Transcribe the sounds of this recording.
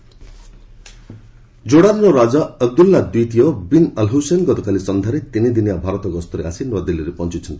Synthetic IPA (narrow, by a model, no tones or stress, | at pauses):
d͡ʒoɽaɾnɔɾad͡ʒaəɡ̚d̪ulːad̪wit̪ijɔbinəlɦosenɡɔt̪ɔkalisɔnd̪ʱaɾet̪inid̪inijabʱaɾɔt̪ɔɡɔst̪ʰɔɾeasinɔad̪iliɾepɔnt͡ʃit͡ʃʰɔnt̪i